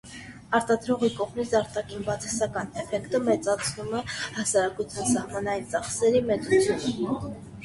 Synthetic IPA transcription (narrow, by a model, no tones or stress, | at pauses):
ɑɾt̪ɑd̪ɾɔʁikɔʁmit͡sʰɑɾt̪ɑkʰinbɑt͡sʰɛsɑkɑnɛfɛkt̪əmɛt͡sɑt͡sʰnumɛhɑsɑɾɑkut͡sʰjɑnsɑhmɑnɑjint͡sɑχsɛɾimɛt͡sut͡sʰjunə